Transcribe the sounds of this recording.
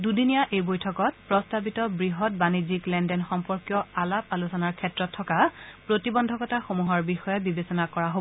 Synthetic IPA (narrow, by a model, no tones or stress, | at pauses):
dudinijaʔejbojtʰɔkɔt̚pɹɔstabitɔbɹiɦɔt̚baniziklɛndɛnxɔmpɔɹkjɔalapalusɔnaɹkʰɛtɹɔtʰːɔkapɹotibɔndʱɔkɔtaxomuɦɔɹbixɔjɛbibesɔnakɔɹaɦo